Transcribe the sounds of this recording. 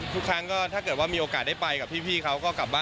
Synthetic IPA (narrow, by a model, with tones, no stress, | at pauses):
t̪ʰu˦˥kʰɾa˦˥ŋkɔː˥˩t̪ʰaː˥˩kɤː˨˩t̪̚waː˥˩miː˧ʔoː˧kaː˨˩da˥˩pa˧jka˨˩p̚ʰiː˥˩pʰiː˥˩kʰa˦˥wkɔː˥˩kla˨˩p̚baː˥˩